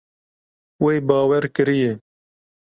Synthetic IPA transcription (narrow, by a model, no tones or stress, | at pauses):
weːjbɑːwɛɾkɨɾije